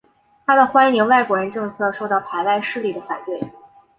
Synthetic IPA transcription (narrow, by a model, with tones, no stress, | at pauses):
t̪ʰa˥d̪ə˨xwa˥ni˧˥ŋwa˥˩ɪkwɔ˧˥ɻə˧˥nʈ͡ʂɤ˥˧ŋt͡sʰɤ˥˧ʂo˥˧ʊt̪ɑ˥˩ʊpʰa˧˥ɪwa˥˧ɪʂɻ̩˥˧li˥˩d̪ə˩fa˨˩nt̪we˥˩ɪ